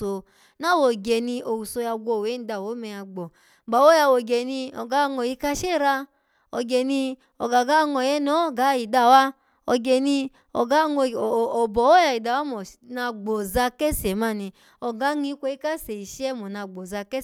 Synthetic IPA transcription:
o˧ | na˦˨wo˨ɡɛ˨nĩ˧ʔo˨wu˨so˧ja˧ɡʷo˧˨we˨˦n̩˨˦da˧˨wo˨˦mɛ˧a˧ɡ͡bɔ˨ | ɡ͡ba˨wo˦ja˧wo˨ɡe˨nĩ˧ɔ̰˨ɡa˨˦˧ŋɔ˧˨ji˧˦ka˧ʃe˦˨ɾa˧ | ɔ˨ɡɛ˨nĩ˧ | ɔ̰˨ɡa˨ɡa˦˧ŋɔ˨jɛ˦nɔ̃˨˦˨ɡa˨˦i˨da˧˨wa˧˦ | ɔ˨ɡɛ˨nĩ˧ | ɔ̰˨ɡa˨˦ŋo˧˨ɔ˨bɔ˨wo˦ja˧i˨da˨wa˨˦mɔ˨na˧ɡ͡bo˨za˧kɛ˦sɛ˨˦ma˦˨nĩ˧ | ɔ˨ɡa˨˦ŋĩ˧˦kʷo˧˦i˦ka˦se˨i˨ʃɛ˦mɔ˨na˧ɡ͡bo˨za˧kɛ˦

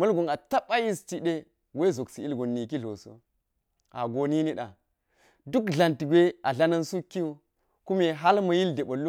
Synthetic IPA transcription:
mɐ˦lɡo˨ŋa˨ta˦ɓa˦ji˦st͡ʃi˦ɗe˦ | we˦zo˨ksi˨i˦lɡo˨nːi˨ki˦ɮo̰˨so̰˦ | a̰˨ɡo˨ni˦ni˦ɗa̰˨ | du˦kɮa˨nti˨ɡʷe˦a˨ɮa˦nɐ˦nsu˦ki˦wu˦ | ku˦me˨ɦa˦lmɐ˨ji˦lde˨ɓɐ˨lu˦

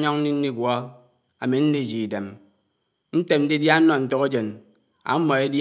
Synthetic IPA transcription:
ɲɔ˦ŋn̩˦ni˦n̩˦ni˦˨ɡʷɔ˦ | a̰˨me˨n̩˦ni˦˨d͡ʒi˨de˨m | n̩˦te˨m̚n̩˦di˦dja˦n̩˦nɔ˨n̩˦tɔ˦ɣe˦d͡ʒe˨n | a̰˨˦m˦mɔ˨e˦d

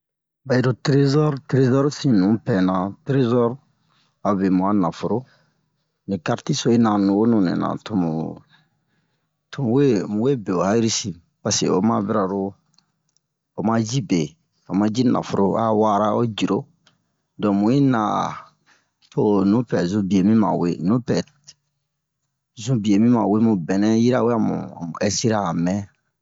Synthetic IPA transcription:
ba˨i˨ɾo˨tɾe˦zɔ˦ɾtɾe˦zɔ˦ɾsĩ˨nũ˨˦pɛ˨nã˨tɾe˦zɔ˦ɾ | a˨be˨mũ˨a˦na˨fo˨ɾo˦ | nĩ˨ka˦ɾti˦so˦i˦nã˨nũ˨ɡo˦nũ˨nɛ̰̃˨nã̰˨tu˨mu˨ | tu˨mu˦we˦mũ˨˦we˦be˨o˨ha˦ji˦ɾi˦si˨ | pa˨sḛ˨o˨ma˦bi˦ɾa˨ɾo˦ | o˨mã˦d͡ʒi˦be˨ | o˨mã˦d͡ʒi˦na̰˨fo˨ɾo˦a˦wa˦ɾa˦o˦d͡ʒi˨ɾo˦ | dɔ̃˨mũ˨ji˦nã˨ | to˦nũ˦pɛ˨zũ˦bi˨e˨mĩ˦mã̰˨wḛ˦nũ˦pɛ˨ | zũ˦bi˨e˨mĩ˦mã˨we˦mũ˨bɛ˨nɛ̃˦ji˦ɾa˦we˦a˦˨mṵ̃˨u˨ɛ˦si˦ɾa˦˨mɛ̃˦

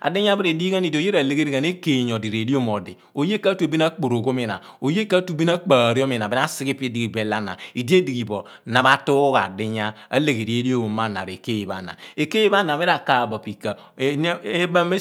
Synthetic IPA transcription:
a̰˨di˦ɲ˦a˦bi˦ɾe˨di˦ka˦ni˨do˨je˦ɾa˨le˦ɡe˦ɾi˦ka˨ne˦ke˨ɲo˨di˨ɾe˨di˦o˦mo˨di˨ | o˨je˦ka˦tu˦e˨bi˦na˦k͡po˨ɾo˨ɡo˦mi˨na̰˨ | o˨je˦ka˦tu˦˨bi˦na˦k͡paː˨ɾi˦o˦mi˨a˨bi˦a˦si˦ɡi˦pe˦di˨ɡi˨be˨˦la˦na̰˨i˨di˦e˦di˨ɡi˨bo˨ | na˨ba˦tu˦ɣa̰˨di˦ɲa˦a̰˦le˨ɡe˨ɾi˨e˦li˦o˦o˨ma˦˨na̰˨ɾe˨ke˦ji˨ba̰˨na̰˨e˨ke˦ji˦ba˦na˨me˦ɾa˨ka˨ba˨pi˨ka˨˦ | e˦ba˦me˦

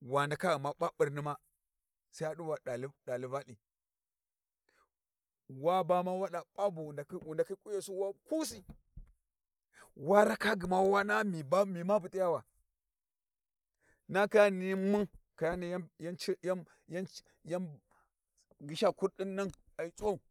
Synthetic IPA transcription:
wa˨nda˨ka˦ɡi˨ma˦ɓa˦ɓi˨ɾni˦ma˦ | sa˦a˦ɗu˦wa˨ɗa˨lɗa˨li˦va˦ɗi˨ | wa˦ba˦ma˦wa˦ɗa˨ɓa˦bu˨nda˨˦u˨nda˨ki˦kʼu˦ja˨su˦wa˦ku˦s̬i˦ | wa˦ɾa˦ka˦ɡi˨ma˦wa˦na˦mi˨ba˦mi˨ma˦bu˨ti˦ja˦wa˨ | na˦ka˦ni˨˦mu˦ŋka˨ja˦ni˨jja˦nt͡ʃi˦ja˦ | ja˦n | ja˦m | ɡi˨ʃa˦ku˦ɾɗi˦nːa˦ŋ | a˨i˨t͡sʼwa˦u˨

